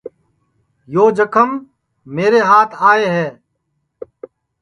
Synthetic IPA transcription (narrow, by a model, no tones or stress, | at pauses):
joːd͡ʒəkʰəmː | eːɾeɦaːt̪ʰaːeɦɛː